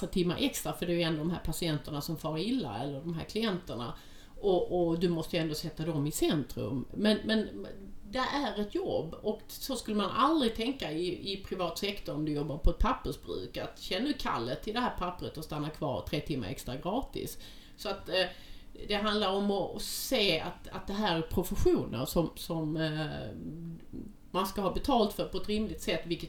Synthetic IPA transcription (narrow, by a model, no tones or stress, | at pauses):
t̪ʰɪmːa̰ɾʔɛkst̪ɾafœɖɛjʉɛnd̪oːd̪ɔmɦæːɾpʰasɪɛnt̪əɳasɔmfɑːɾaɪlːa̰ɛlːəɖɔmɦæ̰ːɾkʰlɪɛnt̪əɳa̰ | ʔɔʔɔd̪ɵmɔst̪əjʉɛnd̪ɔsɛt̪ːad̪ɔmɪsɛnt̪ɾɵ̰mːɛnmɛn | d̪ɛʔæɾɛt̪jɔ̰bːɔk | sɔskʉlːəmanʔa̰ld̪ɾɪɡ̚t̪ʰɛŋkaɪɪpʰɾɪvɑːt̪sɛkt̪ʰɔɾɔmd̪ɵjɔbːaɾpʰɔɛt̪̚pʰapːəʂbɾʉ̰ːkat̪ɕɛnːnʉkʰa̰lːət̪ʰːɪld̪ɛɦæːɾpʰapːɾət̪ɔst̪anːakʰvɑ̰ːɾt̪ʰɾeːt̪ʰɪmːa̰ɾɛ̰kst̪ɾaɡɾɑːt̪ɪ̰s | sɔat̪ | d̪ɛɦand̪laɾɔmɔseːa̰t̪a̰t̪̚d̪ɛɦæːɾæɾpʰɾʊfəɧuːnə̰ɾʂɔmsɔm | manskahɑːbɛt̪ʰɑːlt̪fœɾpʰɔɛt̪ɾɪmlɪk̚t̪sɛt̪ːvɪlkə